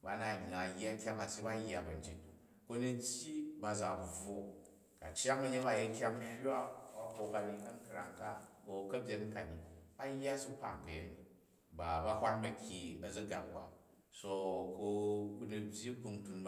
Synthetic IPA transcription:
ba˦na˨ɲ˨na˨ja˦kʲa˦ŋa˨si˦ba˦jːa˨bɐ˨n̩˦d͡ʒi˦t | ko˧ni˧tʲji˦ba˨za˨b͡vo˦ | ka˨t͡ʃa˦ŋɐ˦ɲe˦ŋba˨˦je˧kʲa˦ŋ˦hʲa˦ba˨ko˧ka˨li˧kɐ˦ŋ˦kɾa̰˨ŋka˦ko˧kɐ˦bʲje˨˦n˦ka˨ni˨ba˦jːa˦su˦pa̰˨ŋkɐ˨je˦ni˨ | ba˨ba˦hʷa˦nbɐ˦kʲːi˨ɐ˨zɐ˦ɡa̰˨kka̰˨ | so˧ko˧ku˦ni˧bʲji˦ku˧ŋtu˧nb

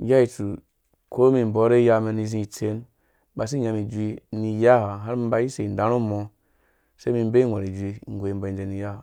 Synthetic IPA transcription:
ja˦i˨tu˨ | kʰo˦mi˨m̩˨bo˨˦ɾe˦ja˦me˨ni˨zĩ˦˨t͡se˦n | ba˨s̬i˦ɲa˨mi˨d͡ʒʷi˦ni˨ja˦ha˨ɦa˦ɾm˦ba˨˦ji˦se˨n˨dã˨˦ɾu˦mo˨ | se˦mi˨m˦be˦˨ŋʷa˨i˨d͡ʒʷi˦˨ŋ˨ɡʷe˨i˨m˦bo˨i˨nd͡ʒe˨ni˨ja˦ha˨

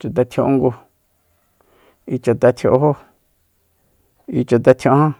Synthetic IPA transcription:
t͡ʃa˨t̪a˧t̪ʰjõ˧ʔŋɡu˧ | i˧t͡ʃa˨t̪a˧t̪ʰo˧ʔo˧ɦo˦ | i˧t͡ʃa˧t̪̬a˧t̪ʰjõ˧˦hã˦

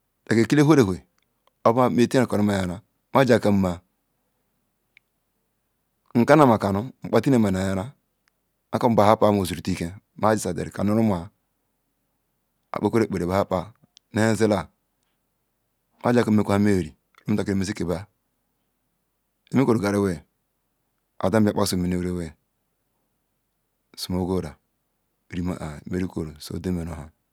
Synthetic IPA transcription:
de˨ke˨ki˦le˦ɦo˦ɾe˨ɦʷe˨ | o˦ba˦me˦˨ti˦a˨ka˨nu˦ma˨ja˨ɾa˦ | ma˦d͡ʒa˨ka˨m˦ma˨ | ŋ̩˨ka˦na˦˨ma˨ka˨nu˦ŋ͡m̩˨k͡pa˦ti˦ne˦˨ma˨na˨ja˦ɾa˦ | a˦ka˦m̩˨ba˨ha˦pa˦mo˨zu˨ɾu˨ti˦ke˨ | ma˦d͡ʒi˨sa˨dḛ˨ɾi˨a̰˨nu˦ɾu˦m˦a˨ | a̰˨k͡pe˦ko˦ɾe˦˨k͡pe˨ɾe˨ba˨ha˦pa˨ | ne˦e˦ze˦la˦ | ma˦d͡ʒa˦˨kme˦ko˦ha˦me˦˨ɾi˨lo˦ta˨ke˦me˦zi˦ke˨ba˦ | e˦me˦ko˨ɾo˨ɡa˨ɾe˦we˦ | a̰˨da˦ba˦k͡pa˦so˨mi˨ne˨wɾe˦we˦˨ | su˨mo˨˦ɡo˦ɾa˨ | ɾi˨ma̰˨ʔa˨me˦ɾi˦ko˨ɾo˨so̰˨de˦me˨no˨ɦa˦

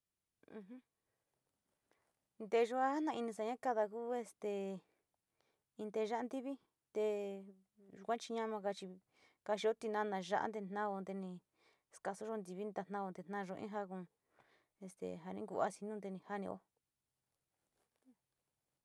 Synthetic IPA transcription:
ũ˧ɦũ˦ | nd̪e˧ʒo˧a˦ha˦nã˧i˧nĩ˧s̬a˧ɲã˦ka˧ða˧ku˦e˧st̪e˨˧ | ĩ˧nd̪e˧ʒa˦a˧˦nd̪i˦βi˦ | t̪e˧ | ʒu˧kʷã˦t͡ʃi˧ɲã˦˧mã˧ka˧t͡ʃi˧ | ka˧ʃi˧o˦t̪i˧nã˧˦˧nã˧ʒa˦ʔa̰˦nd̪e̥˧˨nã˦˧o˧nd̪e˧nĩ˧ | ska˧su˦ʒo˧˦nd̪i˧βi˦nd̪a˧n̥ã˦˧o˧nd̪e˧n̥nã˦˧ʒo˧ʔḭ̃˦ɦa˧kũ˧ | e˧st̪ḛ˨ɦa˧nĩ˦ɡṵ˧˨a̰˦si˧nũ˦d̪e˧nĩ˧ha˦nĩ˧o̰˦

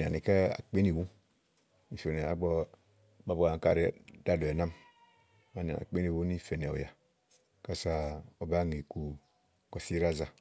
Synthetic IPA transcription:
a̰˨ni˨ke˦a̰˨k͡pe˦ni˨wu˦ | ni˨fo˨ne˨a˨˦ɡ͡bɔ˦ | ba˨bo˦˨a˨ŋ˨ka̰˦˨ɾi˦da˦do˨e˨na˦m | ma˨n˨a̰˨na̰˨k͡pe˦ni˨wu˦i˦fe˨ne˨o̰˨ja̰˨ | ka˦˨sa˦˨o˨ba˦˨ŋi˨ku˨ | ko˨si˦ɾa˦za˨

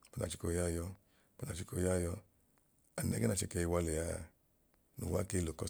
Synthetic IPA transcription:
pna̰˨t͡ʃi˦ko˨ja˦˨jɔ˧˦ | pu˦na˨t͡ʃi˦ko˧˨ja˦˨jɔ˧ | a˨nɛ˦ɡɛ˦na˨t͡ʃɛ˧˨ke˧i˧wa˧le˨ja˦˨ | nṵ˨wa˦ke˧lo˨kɔ˧˦

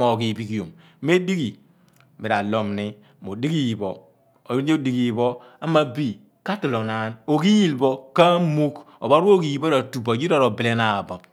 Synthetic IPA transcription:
a˨ki˨bi˨ki˨jo˨m | me˦di˦ki˨ | mi˨ɾa˨lo˨mni˦ | mo˨di˦ɡi˦˨bo˨ | o˨ɾɲe˦di˨ɡi˨bo˦ | a˦ma˦bi˦ | ka˦ti˨lo˨na˨˦no˨ki˦ji˦˨lbo˦ka˦mu˦k | o˨ba˦ɾu˦o˦ki˨˦ji˦bo˦a˨tu˨ba˨d͡ʒi˦a˦˨ɾo˨bi˨le˦na˨bo˨p̚

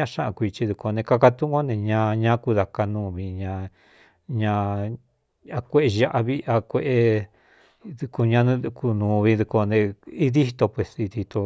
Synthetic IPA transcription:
ã˦˧ʃã˦ʔã̰˧kʷi˧t͡ʃi˧ðu˧ko˧nẽ˧ka˧ka˧t̪ũ˦ʔo˦nẽ˧ɲã˧˦ɲã˦ku˧ða˧ka˧nũː˧βi˧ɲã˧ | ɲã˧ | a˧kʷe˦ʔe˧ʒa˧ʔa˧βi˦a˧kʷe˧ʔe˧ | ðu˧ko˧ɲã˧nũ˦˧ku˧nũː˨˧βi˧ðu˧ko˧nẽ˧i˦ði˦t̪o˧pwe˧˨si˧ði˧t̪o˧

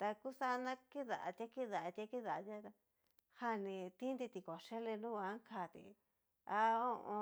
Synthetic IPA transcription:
t̪a˧ku˦sa˦˧nã˦ki˦ða˨ʔa˧t̪ʲa˦ki˦ða˨ʔa˧t̪ʲa˧ki˦ða˨˧t̪ʲa˦a˧ | ha˧nĩ˧t̪ĩ˦nd̪i˧t̪i˧ko˨ʃe˦le˧nũ˦˧a˦ŋ˦kʰa˧˨t̪ḭ˧ | a˧o˦ʔõ˧

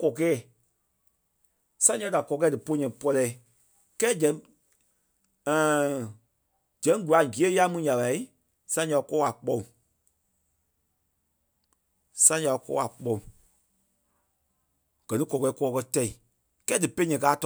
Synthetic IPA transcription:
kɔ˨kɛː˦˨ | sã˦ɲã˧˦da˨kɔ˧˦kɛː˦dɨ˨po˧˦ɲɛ̃˨pɔ˧lɛ˧˨˦ | kɛː˦d͡ʒɛ̃˨˦˨ | d͡ʒɛ̃˨˦ɡu˨la˨ɡi˨˦e˦ja˦mũ˧˦ɲã˨ɓa˨i˦ | sã˦ɲa˧˨˧kɔː˦a˨k͡pɔ˧˦ũ˨ | sã˦ɲa˧kɔ̰ː˧˦a˨k͡pɔ̃˧˨ũ˨ | ɡ̥ɜ˨nĩ˦kɔ˨kɛː˧˦kɔː˧˦kɜ˧tɛ˧i˨ | kɛː˦dɨ˨pe˦ɲɛ̃˨kaː˨˦t

